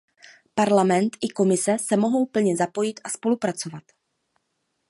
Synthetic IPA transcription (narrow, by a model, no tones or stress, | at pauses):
paɾlamɛnt̪ɪko̞mɪsɛsɛmo̞ɦo̞wpl̩ɲɛzapo̞jɪt̪aspo̞lupɾat͡sovat̪